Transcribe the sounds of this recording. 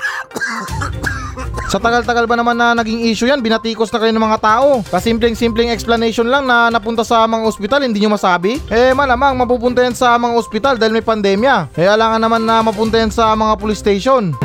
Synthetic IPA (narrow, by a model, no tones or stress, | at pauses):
sɐt̪ɐɡalt̪ɐɡalbɐnɐmanːɐnɐɡiŋiːʃʊjanbɪnɐt̪iːkosnɐkɐjonɐmɐŋat̪aːʔo̞kɐsimp̬lɛŋsimplɛŋɛksplɐnɛjʃo̞nlaŋnɐnɐpʊnt̪asɐmɐŋaʔospɪt̪alhɪnd̪iːɲomɐsaːbɪʔɛmɐlaːmaŋmɐp̬uːpʊnt̪ajansɐmɐŋaʔospɪt̪ald̪aːhɪlmɐjpɐnd̪ɛːmjɐkɐjaːlaːŋɐnːɐmanːɐmɐp̬ʊnt̪ɐjansɐmɐŋapʊlɪst̪ɛjʃo̞n